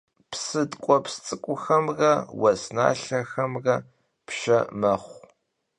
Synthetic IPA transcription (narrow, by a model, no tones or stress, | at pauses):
psɨdkʷʼɔpst͡sʼɨkʷʼʊxɐmrɐwɐsna̰ːɬɐxɐmrɐ | pʃɐmɐχʷ